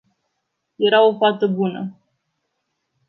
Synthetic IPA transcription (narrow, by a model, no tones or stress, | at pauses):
je̞ɾao̞fat̪əbunə